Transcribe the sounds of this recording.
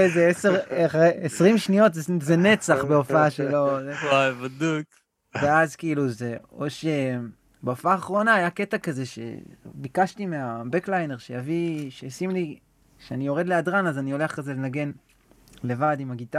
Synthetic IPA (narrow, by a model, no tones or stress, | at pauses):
ezeeseʁaχeesʁimʃnio̞tzezenet͡saχbeofaaʃelo̞zewavɐd̪uk | veazkiiluzeoʃe | beofaːχʁo̞naːjake̞takaze̞ʃḛbikaʃtimeabeklajne̞ʁʃejaviʃesimli | ʃeanijo̞ʁe̞d̪leadʁanazanio̞leaχkazelenaɡe̞n | le̞vadimaɡit̪a